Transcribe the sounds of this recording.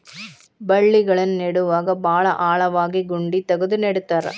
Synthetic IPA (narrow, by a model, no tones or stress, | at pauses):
bɐɭːiɣɐɭɐnnɛɽɯʋaːɡɐbaːɭɐʔaːɭɐʋaːɡiɡʊɳɖit̪ɐɣɯðɯnɛɽɯt̪ːaːɾɐ̰